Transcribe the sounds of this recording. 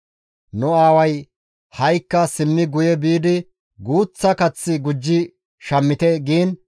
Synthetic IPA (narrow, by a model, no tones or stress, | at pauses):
nʊaːwɐj | hɐjkːɐsɪmːɪɡʊjɛbiːd̪ɪ | ɡuːt͡sːɐkɐt͡sːɪɡʊd͡ʒːɪ | ʃɐmːɪt̪ɛɡiːn